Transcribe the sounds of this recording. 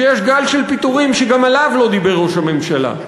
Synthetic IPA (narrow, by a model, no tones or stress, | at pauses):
ejeʃɡalʃelpit̪uʁimʃeɡamalavlo̞d̪ibe̞ʁuʃame̞mʃala̰